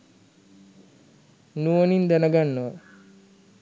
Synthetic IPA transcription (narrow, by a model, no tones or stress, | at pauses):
nuonind̪ænəɡanːəʋə